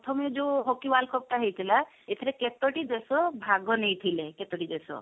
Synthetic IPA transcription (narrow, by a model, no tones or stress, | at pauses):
ɔt̪ʰɔmiɔd͡ʒoɦokiwalkʰɔp̚ʈaɦejt̪ʰila | et̪ʰiɾɛket̪ɔʈid̪esɔbʱaɡɔnejt̪ʰileket̪ɔʈid̪esɔ̰